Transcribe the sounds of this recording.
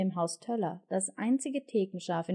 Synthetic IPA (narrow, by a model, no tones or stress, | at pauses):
eːmɦaʊstʰɛlɐd̥asʔa̰ɪnt͡sɪɡətʰeːkŋ̩ʃaːfɪ